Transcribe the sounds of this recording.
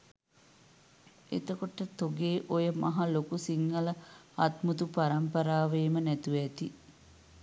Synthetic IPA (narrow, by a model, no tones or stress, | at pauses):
ḛt̪əkoʈət̪oɡeːʔojəmɐɦɐlokusiŋːɐləɐt̪mut̪upaɾɐmpɐɾaːʋeːmənæt̪uʋæt̪i